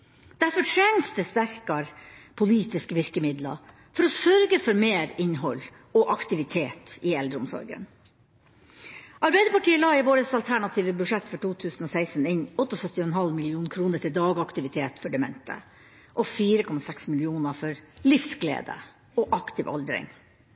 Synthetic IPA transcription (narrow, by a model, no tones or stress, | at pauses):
d̪̥æɾfɔʈʰɾɛnst̪əst̪æɾkɑɾpʰʊliːt̪ɪskəʋɪɾkəmɪd̪lɑ̰ | fɔɾɔsœɾɡəfɔɾmeːɾɪnɦɔl | ɔʔɑkt̪ɪʋɪt̪ʰeːt̪ɪɛld̪ɾəʊ̰msɔ̰ɾɡə̰n | ʔɑɾbæɪd̪əɾpɑʈiːəlɑːɪʋoːɾəsɑlt̪ʰæɳɑt̪ʰiːʋəbʉʂɛt̪ːfɔʈʰuːt̪ʰʉːsn̩ɔsæɪsnɪɲɔt̪ːɔsœt̪ːɪɔɛnɦɑlmɪlɪuːnkʰɾuːnəʈʰɪld̪ɑːɡɑkt̪ɪʋɪt̪ʰeːt̪fɔɖɛmɛ̰nt̪ʰə̰ | ʔɔfiːɾəkʰɔmɑsɛksmɪlɪuːnəfɔɾlɪfsɡlḛːd̪ə̰ | ɔʔɑkt̪ɪʋɑ̰ld̪ɾɪ̰ŋ